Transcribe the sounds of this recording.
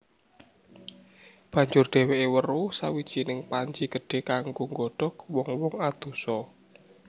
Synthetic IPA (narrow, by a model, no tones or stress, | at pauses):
b̥ä̤ɲd͡ʒʊrɖ̪̥e̤weʔewərusawi̥t͡ʃinɪŋpaɲd͡ʒiɡ̥ə̤ɖ̥e̤kaŋɡoŋɡɔɖ̥ɔ̤kwɔŋwɔŋad̪̥ṳsɔ